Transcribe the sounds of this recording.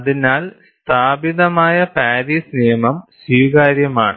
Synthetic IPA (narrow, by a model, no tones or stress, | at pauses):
ɐðinaːlst̪ʰaːbiðɐmaːjɐpaːɾisnijɐmɐmswiːɣaːɾjɐmaːɳɨ